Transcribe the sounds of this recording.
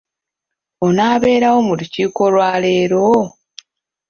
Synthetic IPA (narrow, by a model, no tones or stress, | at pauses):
onaːβe̞ːɾawo̞muluciːko̞lwaːle̞ːɾo